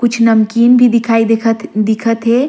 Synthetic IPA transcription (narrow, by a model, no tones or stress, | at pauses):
kʊt͡ʃʰnɐmkinbʱid̪ɪkʰaːid̪ekʰət̪d̪ɪkʰət̪ɦe